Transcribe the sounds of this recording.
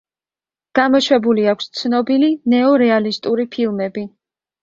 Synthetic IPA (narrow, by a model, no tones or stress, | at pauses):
ɡ̥amɔʃwɛbuliakʷʰst̪sʰnɔbilinɛɔɾɛalist̪ʼuɾipʰilˠmɛbi